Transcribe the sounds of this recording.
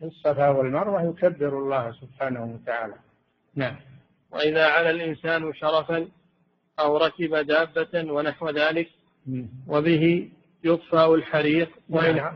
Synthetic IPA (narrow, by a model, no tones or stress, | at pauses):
ɪsˤːɑfaːwalmɑɾˤwahjʊkabːɪɾɑlˤːɑːhasʊbħaːnahʊwat̪aʕaːla | naʕam | wa̰ʔɪðaːʕalalʔɪnsaːnʃɑɾˤɑfan | ʔawɾˤɑkɪbad̪aːbːawanaħwɪðaːlɪk | wabɪɦɪ | jʊt̪ˤfaːʔalħaɾiːq | waʔɪ